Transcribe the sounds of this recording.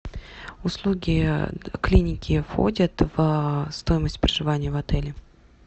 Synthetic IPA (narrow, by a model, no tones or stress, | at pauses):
ʊslˠuɡʲɪklʲinʲɪkʲɪfxo̞̰dʲət̪v̥st̪o̞jɪməsʲtʲpɾəʐɨvanʲɪjəvɐt̪ɛlʲɪ